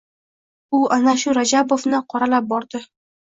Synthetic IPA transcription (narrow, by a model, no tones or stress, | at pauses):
ʊʔanaʃʊɾad͡ʒabofnɪqʰɒɾalap̚bɒɾd̪ɪ